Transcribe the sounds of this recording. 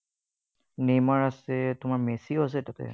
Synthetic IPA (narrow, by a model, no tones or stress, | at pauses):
nemaɹasɛtʊmaɹmesiɔs̬ɛtatɛ̰